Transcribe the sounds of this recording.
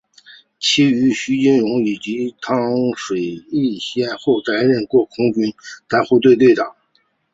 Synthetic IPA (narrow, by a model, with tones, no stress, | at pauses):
t͡ɕʰi˥y˧˥ɕy˥i˥nɻʊ˧˥ŋi˨˩t͡ɕi˧˥t̪ʰɑ˥ŋʂwe˨˩ɪi˥˩ɕjɛ˥nxo˥˩ʊka˧˥ɪɻə˥˩nkwɔ˥˩kʰʊ˥ŋt͡ɕy˥nt̪a˥˧xu˥˧t̪we˥˧ɪt̪we˥˩ɪt̪ɑ˨˩˦ŋ